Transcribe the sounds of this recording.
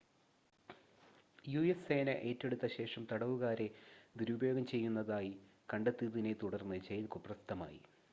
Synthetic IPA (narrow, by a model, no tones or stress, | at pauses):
jueseːnɐ̰ʔe̞ːtːe̞ɽut̪ːɐɕe̞ːʂɐmt̪ɐɽɐʋuɣaːɾe̞d̪iɾubɐjo̞ːɡɐmt͡ɕe̞jːunːɐðaːjikɐɳɖet̪ːiðine̞t̪uɽɐrnːɨt͡ɕejilkuprɐst̪ːɐma̰ːjḭ